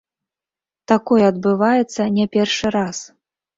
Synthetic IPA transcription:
t̪akɔjɛɐd̪bɨvajɛt̪sːɐnʲɛpʲɛrʂɨɾas

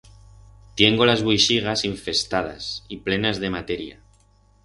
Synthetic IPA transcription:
t̪je̞ŋɡo̞lazβujʃiɣ̞asiɱfe̞st̪að̞a̰siple̞nazðe̞mat̪e̞ɾja̰

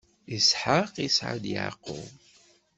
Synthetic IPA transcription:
isħaqisʕa̰d̪ja̰qːo̰

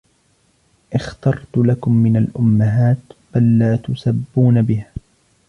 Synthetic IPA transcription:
ʔɪxt̪ɑɾˤt̪ʊlakʊmːɪnalʔʊmːaɦaːt̪b̥alːaːt̪ʊsabːuːnabɪhaː

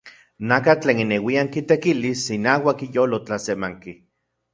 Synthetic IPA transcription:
nakat͡ɬeːninewiaŋkit̪ekilisinaːwakijoːlot͡ɬasemaŋki

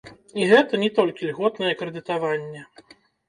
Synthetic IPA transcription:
iɣɛt̪ɐnʲɛt̪ɔlʲkʲilʲɣɔt̪nɐjɛkɾɛd̪ɨt̪avanʲːɛ

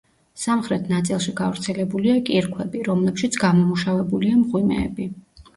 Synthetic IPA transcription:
samχɾɛt̪ʰnat̪sʼilˠʃiɡavɾt̪sʰɛlɛbuliakʼiɾkʰwɛbiɾɔmlɛpʃit̪sʰɡamɔmuʃavɛbuliamʁwimɛ̰ːbi

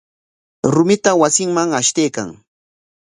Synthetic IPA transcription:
ɾʊmɪt̪awasɪŋmaŋaʃt̪ejka̰ŋ

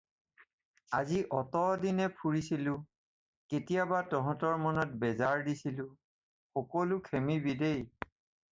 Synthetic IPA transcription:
aziʔɔtɔdinɛpʰuɹisilʊ̃ | ketijabatɔɦɔ̃tɔɹmɔnɔt̚bɛzaɹdisilʊ̃ | xɔkɔlʊkʰemibidej

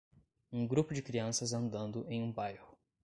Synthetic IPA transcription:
ũɡɾupʊd͡ʒɪkɾiɐ̃sɐzɐ̃nd̪ɐ̃nd̪ʊʔẽj̃ũbajhʊ

